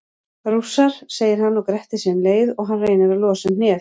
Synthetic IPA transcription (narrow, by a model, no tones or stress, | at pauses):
ɾusaɾ̥seːjɪɾ̥ɦanːɔwkɾɛht̪ɪsɛːnleːjðɔɣɦanreːjnaɾaðlɔːsɪmnɛːθ